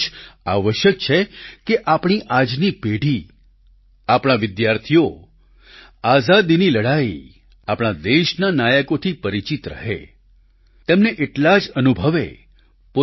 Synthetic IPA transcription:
aʋəʃjək̚t͡ʃʰekeʔapɽ̃iʔad͡ʒnipeɽ̤ʱi | apɽ̃aʋɪd̪jaɾt̪ʰijo | azad̪iniləɽai | apɽ̃ad̪eʃnanajəkot̪ʰipəɾit͡ʃit̪ɾə̰ɦḛ | t̪emneʔeʈlad͡ʒənubʱəʋḛ | po

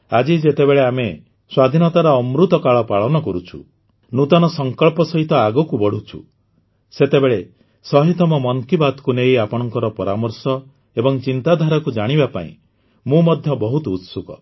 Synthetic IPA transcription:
ad͡ʒid͡ʒet̪ebeɭeame | swad̪ʱinɔt̪aɾɔːmɾut̪ɔkaɭɔpaɭɔnɔkɔɾut͡ʃʰṵ | nut̪ɔnɔsɔŋkɔɭpɔsɔɦit̪ɔaɡɔkubɔɽ̤ut͡ʃʰṵ | set̪ebeɭe | sɔɦit̪ɔmɔmɔŋkibad̪kunejapɔɽ̃ɔŋkɔɾɔpɔɾamɔɾsɔ | ebɔŋt͡ʃint̪ad̪ʱaɾɔkud͡ʒaɽ̃ibapa̰ḭ̃ | mũmɔd̪ʱjɔbɔɦut̪ut̪sukɔ̰

